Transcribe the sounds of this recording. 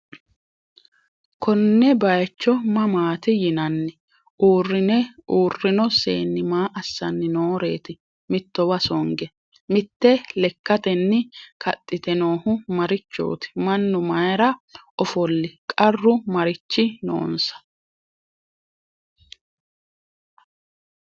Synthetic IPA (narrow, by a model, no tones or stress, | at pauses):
kʰɔnːɛbɐjt͡ʃːɔmɐmaːt̪ɪjɪnɐnːɛ | ʔuːrːɪnɛʔuːrːɪnɔsḛːnːɪmaːʔɐsːɐnːɪnoːɾe̞ːt̪ɪ | mɪt̪ːɔwɐsɔŋɡɛ | mɪt̪ːɛlɛkːɐt̪ɛnːɪkʰɐt̪ʼːɪt̪ɛno̞ːhʊmɐɾɪt͡ʃːo̰ːt̪ɪ̥mɐnːʊmɐjɾɐʔɔfɔlːɪkʼɐrːʊmɐɾɪt͡ʃːɪno̰ːnsɐ̥